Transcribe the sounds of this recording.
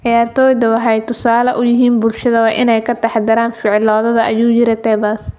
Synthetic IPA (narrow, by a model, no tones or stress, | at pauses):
ʕɑjaːrt̪ʰɔːjd̪ɐwɑħɛjt̪ʰːʊsaːlɐʔʊjɪɦiːnbʊlʃɐðɐwɑːʔɪnɛjkʰɐt̪ɑħd̪ɐɾaːnfɪʕlɔːðɐðɐʔɐjuːjɪɾɛt̪ʰɛːbaːs